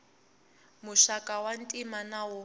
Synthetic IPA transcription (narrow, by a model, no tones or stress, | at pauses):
muʃakʼawantʼimanawʊ